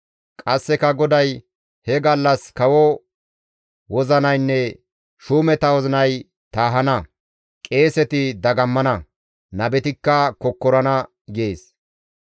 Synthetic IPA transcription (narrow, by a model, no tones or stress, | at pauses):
kʼɐsːɛkɐɡɔd̪ɐj | hɛɡɐlːɐskɐwɔ | wɔzɐnɐjnːɛ | ʃuːmɛt̪ɐwɔzɪnɐj | t̪aːɦɐnɐ | kʼe̞ːsɛt̪ɪd̪ɐɡɐmːɐnɐ | nɐbɛt̪ɪkːɐkɔkːɔɾɐnɐ | ɡɪeːs